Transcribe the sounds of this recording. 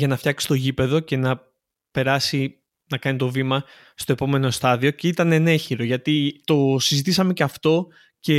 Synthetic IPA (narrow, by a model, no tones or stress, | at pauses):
ʝɐnɐft̪çɐksi̥t̪o̞ʝipe̞ðo̞ce̞nɐ | pe̞ɾɐsi | nɐkɐnit̪o̞vimɐ | st̪o̞e̞po̞me̞no̞st̪ɐðio̞ce̞it̪ɐnene̞çiɾo̞ʝɐt̪it̪o̞sizit̪isɐme̞ceɐft̪o̞ | ce̞